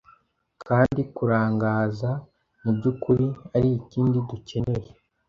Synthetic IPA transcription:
kʰaːndikuɾaːŋɡaːza | nubɟukuɾiaɾiːciːndiduce̞ne̞ɾe

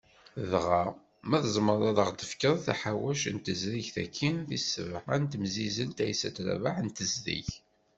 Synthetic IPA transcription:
ðʁa | mæðzˤməɾˤɑðˤəʁd̪əfkəðˤθæ̰ħawæʃənt̪əzðiçθæ̰kʰːinθisːə̰vʕant̪mzizənt̪æjsæ̰t̪ɾæ̰vaʕnt̪əzðḭç

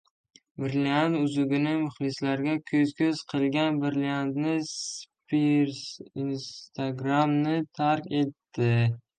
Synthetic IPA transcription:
bɪɾliant̪ʊzʊɡʲɪnɪmʊχlɪslaɾɡʲakʲʰɵzkʲʰɵz̥qʰɨlˠɡʲanbɪɾliand̪nɪspiɾsinst̪ʰaɡɾamnɪt̪ʰaɾkʲe̞t̪ːɪ

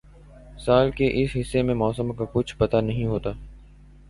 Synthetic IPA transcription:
saːlkeʔɪsɦɪsːemẽmɔːsəmkakʊt͡ʃʰpɐt̪anɐɦĩɦoːt̪aː

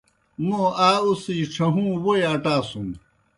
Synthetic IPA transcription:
mõːaːusiʈ͡ʂʰɐɦũːwoeɐʈaːsum

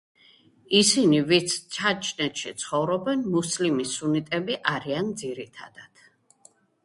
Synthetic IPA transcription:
isinivit̪sʰt͡ʃʰat͡ʃʰʼnɛt̪ʃit̪sʰχɔvɾɔbɛnmuslimisunit̪ʼɛbiʔaɾiand̪ziɾit̪ʰa̰d̪̥ad̪̥

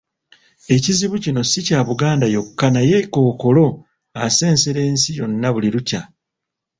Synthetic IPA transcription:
e̞ciziβucino̞sicaːβuɡaːndajo̞kːanajeko̞ːko̞lo̞ | ase̞ːnseɾe̞ːnsijo̞nːaβuliɾuca

